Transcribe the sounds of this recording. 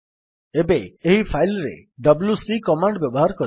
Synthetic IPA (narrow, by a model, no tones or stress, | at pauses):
ebeːɦipʰajlɾḛɖʌbljusikɔmaɳɖbjɔbɔɦaɾɔkɔɾ